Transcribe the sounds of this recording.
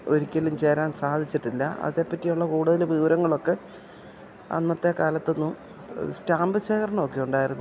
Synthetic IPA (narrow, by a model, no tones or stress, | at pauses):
o̞ɾikʲːɐlumt͡ɕeːɾaːnsaːd̪ʱit͡ɕːiʈːilːɐɐ̰ðe̞ːpːɐtːijuɭːɐkuːɽuðɐlʋiːʋɾɐŋːɐɭo̞kːe̞ | ɐ̰nːɐt̪ːe̞kaːlɐt̪ːo̞nːum | staːmbɨɕeːkɐrɐnno̞ːkːijuɳɖaːjiɾunːu